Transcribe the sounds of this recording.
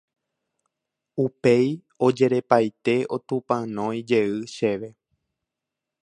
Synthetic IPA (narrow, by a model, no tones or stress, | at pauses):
upe̞j | o̞d͡ʒe̞ɾe̞pajt̪e̞ʔo̞t̪ũpãnõ̞j̃d͡ʒe̞ɨʃe̞ʋe̞